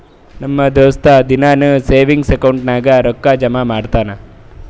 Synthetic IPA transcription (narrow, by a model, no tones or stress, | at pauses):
nɐmːɐd̪eʋɐst̪ɐd̪inaːnuseːʋiŋɡsekɐwɳʈnaːɡɐɾɔkːaːd͡ʒɐmaːmaːɽt̪aːnɐ